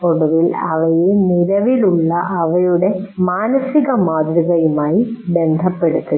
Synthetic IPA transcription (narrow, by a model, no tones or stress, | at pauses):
o̞ɽuʋilɐ̰ʋɐjeniɾɐʋiluɭːɐʔɐʋɐjuɽe̞maːnɐsiɣɐmaːd̪ɾiɣɐjumaːjibe̞nd̪ʱɐpːe̞ɽut̪ːu